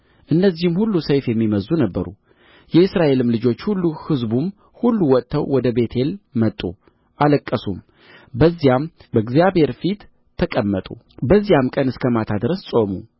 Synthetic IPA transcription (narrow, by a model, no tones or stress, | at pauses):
ʔɨnːəzːihɨmhulːusəjfjɛmːiməzːunəbːəɾṵ | jɛɨsɾaʔe̞lɨmlɨd͡ʒo̞t͡ʃːhulːuhɨzbum | hulːuwɔtt̪ʰːəwwɔd̪əbe̞t̪ʰe̞lmət̪ʼṵ | ʔaləkʼːəsum | bəzːijambəɡzijabhe̞ɾfit̪ʰː | əkʼəmːət̪ʼṵ | bəzːijamkʼənɨskʰəmat̪ʰad̪ɨɾəssʼo̞mu